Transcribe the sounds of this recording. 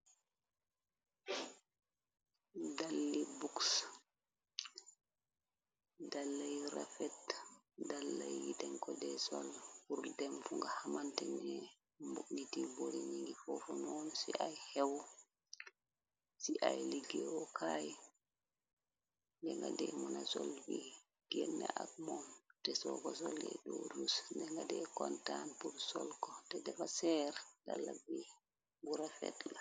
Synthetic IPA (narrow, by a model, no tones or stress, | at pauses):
dalːibuks | dalːajɾa̰fɛt | dalːa̰jjidɛŋkɔdɛsa̰lhuɾdɛmfuŋɡahamantɛɲɛ | mbuknitiboɾiɲiŋɡifɔfɔnɔnsiʔajhɛw | siʔajliɡiɔkʰaj | ndɛŋɡadɛmɔnasɔlwi | ɡ̥ɛnːaʔakmɔntɛsɔkɔs̬ɔlɛ̰ɗɔɾusndɛŋɡadɛkɔntanpuɾsɔlkɔtɛdɛfasɛɾdalːabi | ɡuɾafɛ̰tla